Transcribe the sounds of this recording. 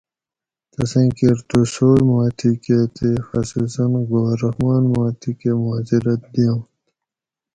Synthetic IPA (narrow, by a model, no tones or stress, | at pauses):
t̪ɐsẽːkeɾt̪usoːmaːt̪ʰiket̪ʰexɐsusɐnɡoːɾɐhmaːnmaːt̪ʰikemʊɦaːd͡ʑiɾɐt̪̚d̪iõ